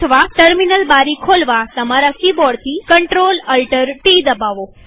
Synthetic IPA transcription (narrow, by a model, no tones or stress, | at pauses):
əʋaʈəɾminəlbaɾikʰolʋat̪əmaɾakibɔɽt̪ʰikəɳʈɾoləlʈəɾʈid̪əbaʋo